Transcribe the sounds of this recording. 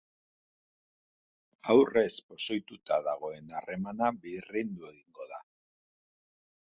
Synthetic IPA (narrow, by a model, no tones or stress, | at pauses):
awre̞spo̞so̞jt̪ut̪aðaɣ̞o̞e̞nare̞manaβirind̪ue̞ɣiŋɡo̞ða